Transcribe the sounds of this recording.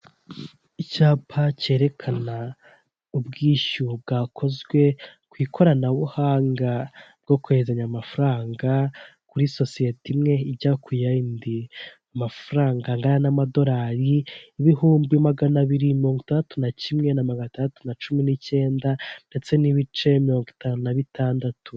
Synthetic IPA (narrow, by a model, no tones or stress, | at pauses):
icaːpʰace̞ːɾe̞kʰana | ubɡiːʃub̚ɡaːkʰo̞zɡwe̞kwiːkʰo̞ɾanaβuhaːŋɡab̚ɡ̥o̞kuezaɲamafuɾaːŋɡakuɾiso̞sije̞timŋe̞iɟakujaindi | amafuɾaːŋɡaŋɡaɾanamado̞ɾaːɾiːβihuːmbimaɡanaβiɾimiɾo̞ŋɡwitandatunacimŋe̞namaɡantandatunat͡ʃuminice̞ːndande̞t͡se̞niβit͡ʃe̞miɾo̞ːŋɡitaːnunaβitʰaːndatu